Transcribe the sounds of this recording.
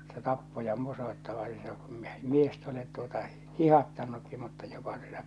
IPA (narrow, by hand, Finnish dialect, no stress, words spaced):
se tɑpːo jɑ ni se kum miest olet tuotɑ hihɑtːɑnːukːi mutːɑ j̊o̥pɑ̥ si̥n̥æ̥